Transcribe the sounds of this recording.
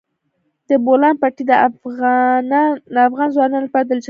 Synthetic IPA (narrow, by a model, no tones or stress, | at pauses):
d̪̥əbolɑnpɑʈid̪ə | d̪afɣɑnzwɑnɑnlapɑɾad̪əld͡ʒ